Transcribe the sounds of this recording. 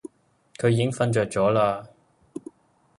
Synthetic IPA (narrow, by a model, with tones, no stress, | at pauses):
kʰɵ˨˧ɥjiː˧˥ɪ˥ŋfɐ˧nt͡ʃœː˨˧k̚t͡ʃɔː˨˥laː˧